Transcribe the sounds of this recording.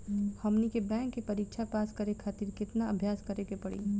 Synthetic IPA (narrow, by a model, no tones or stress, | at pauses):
hɐmnikebɛ̃ːŋkːepɐɾik̚t͡ʃʰapaːskəɾekʰaːt̪iːɾkɪt̪naəbʱjaːskɐɾekepɐɽḭ